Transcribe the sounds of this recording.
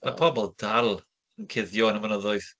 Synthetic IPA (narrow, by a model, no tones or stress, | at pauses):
apʰɔbɔlˠdalˠ | ənkʰɪðjoːnəvənɔðɔjθ